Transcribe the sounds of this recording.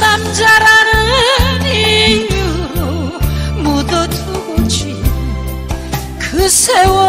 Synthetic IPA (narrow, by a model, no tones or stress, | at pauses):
namd͡ʑaɾanɯniju | mod̪ʌt̪ʰuɡot͡ɕʰi | kɯsʰewʌ